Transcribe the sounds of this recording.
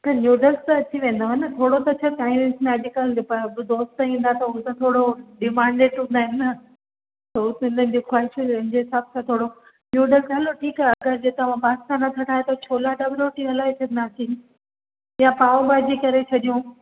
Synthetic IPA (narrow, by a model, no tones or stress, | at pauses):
t̪ɐnjuːɖəlst̪ɐt̪ʰiʋẽːnd̪oɦɐnɐt̪ʰoːɽot̪ɐt͡ɕʰɐt̪ãːĩesmẽɐd͡ʑʊkəlpɐbd̪oːst̪ɦĩːn̆d̪at̪ʰɐʊt̪ɐt̪ʰoːɽoɖɪmãːɳɖeːʈɦũːnd̪aːɪnɐ | t̪ɐt̪ɪnən̆d͡ʑoxwaːɦɪʃd͡ʑeɦɪsaːbsãt̪ʰoːɽo | njuːɖəlsɦɐloʈʰiːkaɦeɐɡəɾd͡ʑet̪ɐʋãpaːkt̪anɐt̪ʰɐʈʰaːet̪ɐt͡ɕʰoːlaɖɐbɪloːʈiɦɐlaːet͡ɕʰɐnd̪at̪ʰi | jãpaːʋõbaːd͡ʑikɐɾet͡ɕʰɐɗijũ